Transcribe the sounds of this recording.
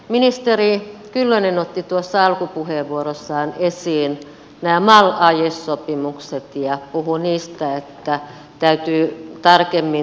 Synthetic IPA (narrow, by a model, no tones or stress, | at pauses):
minist̪erikylːønenot̪ːit̪uosːɑɑlkupuheˑʋʋuorosːɑːnesiːn | næːmɑlɑjesːopimukset̪jɑpuhuniːst̪æet̪ːæ | t̪æyt̪yːt̪ɑrkemːi